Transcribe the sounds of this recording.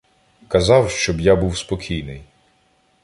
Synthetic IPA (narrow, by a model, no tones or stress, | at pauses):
kɐzɑwʃt͡ʃɔbjabuwspɔkʲʰijnɪj